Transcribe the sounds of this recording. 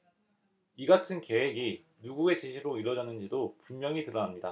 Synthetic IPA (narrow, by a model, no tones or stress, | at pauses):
iɡatʰɯnke̞we̞ɡi | nuɡue̞t͡ɕiɕʰiɾoiɾʌd͡ʑʌnɯnd͡ʑidopunmjʌŋitɯɾʌnamɲida